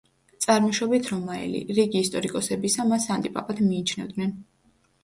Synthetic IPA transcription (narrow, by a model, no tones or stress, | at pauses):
t̪sʼaɾmɔʃɔbit̪ʰɾɔmaɛ̰lḭɾiɡiːst̪ʼɔɾikʼɔsɛbisamasant̪ʼipʼapʼad̪ʰmiːt͡ʃʰnɛvd̪nɛn